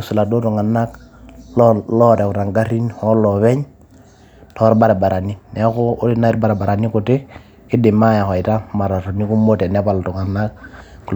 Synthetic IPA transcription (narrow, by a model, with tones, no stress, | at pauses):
u˨su˨la˨do˦tu˨ŋa˨nːa˦kllɔ˦ɾɛ˨ku˨ta˨ŋɡa˦ɾi˦nhɔ˦lɔ˨βɛ˦ɲ | tɔ˨˦ɾba˦ɾa˨ba˨ɾʔa˨ni˦nɛ˦koː˦di˦na˦i˦ɾba˦ɾa˨ba˨ɾa˨ni˦ku˨te˦ | kɪ˦di˨ma˦ja˨xɔ˨i˨ta˦ma˨ɾa˨to˨ni˦ku˦mo˦tɛ˨nɛ˦pa˨ltu˨ŋa˨nːa˦k̚